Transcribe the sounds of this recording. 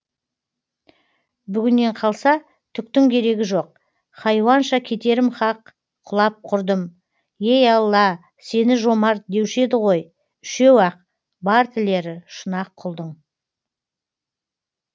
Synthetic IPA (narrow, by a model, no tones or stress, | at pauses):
bʏɡʲɪnːe̞ɴqʰɑlˠsɑ | t̪ʰʏk̚t̪ɪŋkʲʰe̞ɾe̞ɡʲɪʒo̞q̚ | χɑjwɑnʃɑkʲʰe̞t̪e̞ɾɪmχɑq | qʰʊlˠɑp̚qʰʊɾd̪əm | jejɑlˠːɑ | se̞nɪʒo̞mɑɾd̪ewʃe̞d̪ɪʁo̞j | ʏʃe̞wɑq̚ | bɑɾt̪ʰɪle̞ɾɪʃʊnɑqʰːʊlˠd̪əɴ